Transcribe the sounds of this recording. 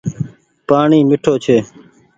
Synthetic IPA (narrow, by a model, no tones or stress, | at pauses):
paːɳiːmɪʈʰoːt͡ʃʰeː